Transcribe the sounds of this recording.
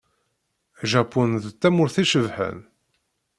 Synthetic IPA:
ʒæpːunðt̪ːæmʊɾθiʃəvħə̰n

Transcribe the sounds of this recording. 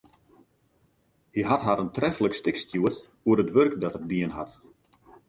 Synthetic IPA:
hiɦatɦaɾəntrɛfələkstɪkstjuət | uəɾətʋørkdɔtək̚diənɦat

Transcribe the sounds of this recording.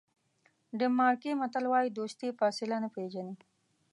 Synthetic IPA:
ɖəmɑːɾkimɐt̪əlwɑjid̪oːst̪ifɑːsɪlanapeʒani

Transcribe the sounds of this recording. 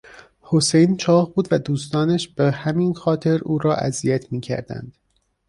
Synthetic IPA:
ho̞sejnt͡ʃʰɒːhbuːd̪væd̪uːst̪ɒːnæʃb̥ehæminxɒːt̪ʰe̞ɾuːɾɒːʔæ̰zijæt̪ʰmiːcʰæ̰ɾd̪æ̰nd̪̥

